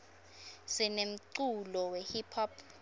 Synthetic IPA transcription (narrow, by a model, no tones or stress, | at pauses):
sinem̩ǀulɔwehipʰɔpʰ